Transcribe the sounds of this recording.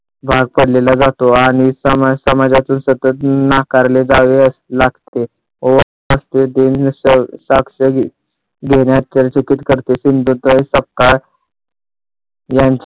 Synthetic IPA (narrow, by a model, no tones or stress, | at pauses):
bʱaɡ̚pəɽlelad͡zat̪oaɽ̃isəmasəmad͡ʑat̪uːnsət̪ət̪nakaɾled͡zaʋeəslaɡt̪e | oʋ | əst̪ed̪ensəsakʂə | ɡʱeɽjat̪̚t͡ɕaɾat͡ɕəkit̪kəɾt̪esind̪ʱut̪səp̚ka | jaɲt͡ɕ